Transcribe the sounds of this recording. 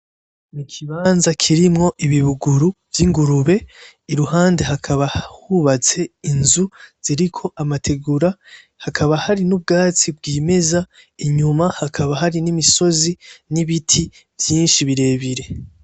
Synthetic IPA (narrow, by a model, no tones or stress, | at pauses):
nikʰiβaːnzakʰiɾimŋo̞ʔiβiβuɡuɾuvjiŋɡuɾuβe̞ | iɾuɦaːnde̞ɦakʰaβahhuβat͡se̞inzuz̥iɾikʰo̞ʔamatʰe̞ɡuɾa | hakʰaβahaɾinub̚ɡaːt͡sibɡiːme̞za | iɲumahakʰaβaɦaɾinimiso̞ziniβitʰi | vjiːnʃiβiɾe̞ːβiɾe̞